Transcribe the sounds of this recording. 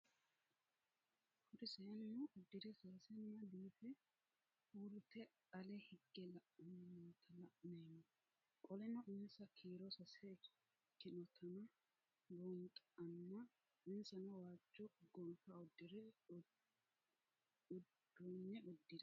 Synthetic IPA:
hʊɾɪsɛɐnːʊʔɔd̪ːɪɾɛsaːsɛnːɐd̪iːfɛ | huːɾʊt̪ɛ | ɐlɛhɪɡːɛlɐʔt̪ʰɐlɐʔneːmːɔ | kʼɔlɛnɔʔɪnsɐkʰiːɾɔsɐsɛ | kːɪnɔt̪ʰɐnɐ | bɔnt̪ʼɐnːɐ | ɪnsɐnɔwaːd͡ʒːɔɡɔlfaɔd̪ːɪɾɛ | ɔnːɛɔd̪ːɪdɛ

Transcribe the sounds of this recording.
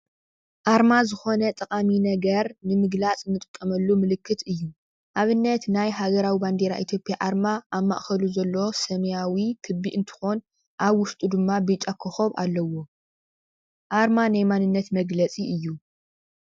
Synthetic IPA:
ʔaɾmazɨxo̞nɐt̪ʼɐkʼaminɐɡɐɾnɨmɨɡlat͡sʼɨnːɨt̪ʼɨkʼːɐmɐlːumɨlɨkʰːɨt̪ʰɨjːu | ʔaβɨnːɐt̪najɦaɡɐɾawiband̪eɾaʔit̪ʰjo̞pʼjaʔaɾmaʔːβmːa̰ʔxɐluzɐlːosɐmjawikʰɨbːiʔɨnt̪ʰɨ̥xon | ʔaβwʊst̪ʼud̪ɨmːabɨt͡ʃʼːakʰːɨxoβʔa̰lːɐwo̞ | ʔaɾmanajmanɨnːɐt̪mɐɡlɐt͡sʼiɨjːu

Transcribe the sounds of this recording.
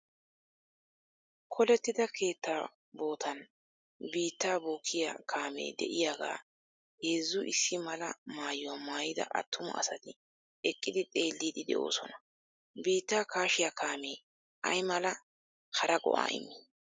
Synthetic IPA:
kʰɔlɛt̪ːɪd̪ɐkʰe̞ːt̪ːaː | bo̞ːt̪ʰɐn | biːt̪ːaːbuːkʰːɪja̰kʰaːme̞̰ːd̪ɛ̰ʔɪjaːɡa̰ː | heːzːʊʔɪsːɪmɐlɐ̰maːjʊwaːmaːjɪd̪ɐ̰ʔɐ̰t̪ːʊmʊ̰ɐ̰sɐt̪ɪ | ɛkʼːɪd̪ɪt̪ʼe̞ːlːiːd̪ɪd̪ɛ̰ʔo̞̰ːsɔnɐ̥ | biːt̪ːaːkaːʃɪjakʰaːme̞ː | ʔɐ̰jmɐlɐ | hɐɾɐɡɔ̰ʔa̰ːʔɪ̰mːɪ

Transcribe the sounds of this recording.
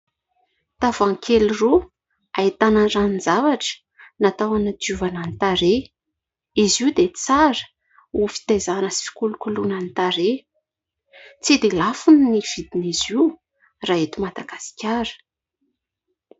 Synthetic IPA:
t̪avaŋkʰeliro | ait̪anənraninzavaʈ͡ʂə̥ | nat̪awanəd̪uvananit̪aɾe | iziud̪et͡saɾə̥ | ufi̥t̪ajzanəsi̥fi̥kulukulunanit̪aɾe | t͡sid̪elafunniv̥id̪inizi | raet̪umad̪aɡasi̥kʲaɾə̥

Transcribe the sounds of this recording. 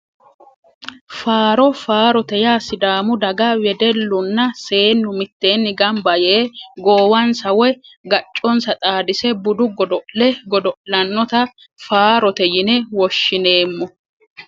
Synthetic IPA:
faːɾɔfaːɾɔt̪ɛjaːsɪd̪aːmʊd̪ɐɡɐwɛd̪ɛlːʊnːɐse̞ːnːʊmɪt̪ːe̞ːnːɪɡɐmbɐjɛʔɡoːwɐnsɐwɔɡɐt͡ʃʼːɔnsɐt̪ʼaːd̪ɪsɛbʊd̪ʊɡɔd̪ɔʔlɛɡɔd̪ɔʔlɐnːɔt̪ɐ | faːɾɔt̪ɛjɪnɛwɔʃːɪne̞ːmːɔ

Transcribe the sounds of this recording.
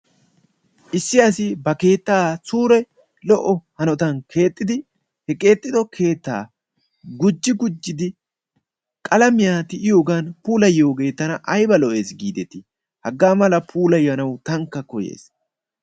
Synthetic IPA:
ʔɪsːɪɐsɪbɐke̞ːt̪ːaːsuːɾɛj | lɔʔɔhɐnɔt̪ɐnkʰe̞ːt̪ʼːɪd̪ɪ | hɛkʼe̞ːt̪ʼːɪd̪ɔkʰe̞ːt̪ːa̰ː | ɡʊd͡ʒːɪɡʊd͡ʒːɪd̪ɪ | kʼɐlɐmɪjaːt̪ɪʔɪjo̞ːɡanpuːlɐjːo̞ːɡe̞ːt̪ːɐnɐʔɐjbɐlɔʔe̞ːsɡiːd̪ɛt̪ːɪ | hɐɡːaːmɐlɐpʰuːlɐjːɐnɐwt̪ɐŋkːɐkɔjḛːs

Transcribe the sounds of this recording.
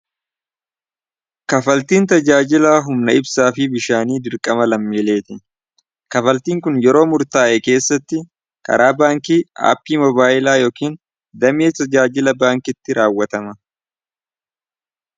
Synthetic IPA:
kɐfɐlt̪iːnt̪ɐd͡ʒaːd͡ʒɪlaːɦʊmnɐɪbsaːfɪbɪʃaːniːd̪ɪɾkʼɐmɐlɐmːeːleːt̪ɪ | kɐfɐlt̪iːŋkʊnjɛɾo̞ːmʊɾt̪aːʔɛke̞ːsːɐt̪ːɪ | kʼɐ̰ɾʔaːbaːŋkiːa̰ːpːiːmɔbaːʔɪlaːjoːkiːn | d̪ɐmeːt̪ɐd͡ʒaːd͡ʒɪlɐbaːŋkɪt̪ːɪɾʔaːwːɐt̪ɐmɐ

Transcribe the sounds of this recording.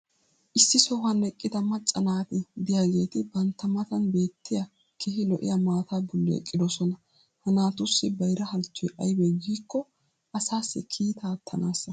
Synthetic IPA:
ʔɪsːɪsɔhɐnɛkʼːɪd̪ɐmɐt͡ʃʼːɐnaːt̪ɪd̪ɪjaːɡe̞ːt̪ɪbɐnt̪ːɐmɐt̪ɐnbe̞ːt̪ːɪjɐ | kʰɛhɪlɔʔɪ̰jamaːt̪aːbɔlːɛɛ̰kʼːɪd̪ɔsɔnɐ | hɐnaːt̪ʊsːɪbɐjɾɐhɐlt͡ʃːɔjʔɐjbɛɡiːkːɔ | ʔɐsaːsːɪkʰiːt̪aːt̪ʰːɐnaːsːɐ

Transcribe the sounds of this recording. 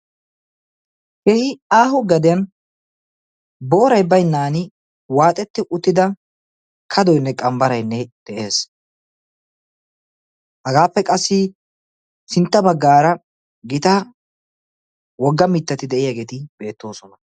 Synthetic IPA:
hɛhɪaːɦʊɡɐd̪ɪjɐn | bo̞ːɾɐjbɐjnːaːnɪ | waːt̪ʼɛt̪ːɪʔʊt̪ːɪd̪ɐ | kʰɐd̪ɔjnːɛkʼɐmbɐɾɐjnːɛd̪̥ɛʔe̞ːs | hɐɡaːpːɛkʼɐsːɪ | sɪnt̪ːɐbɐɡːaːɾɐ | ɡɪt̪a | wɔɡːɐmɪt̪ːɐt̪ɪd̪ɛʔɪjaːɡe̞ːt̪ɪb̥e̞ːt̪ːo̞ːsɔnɐ

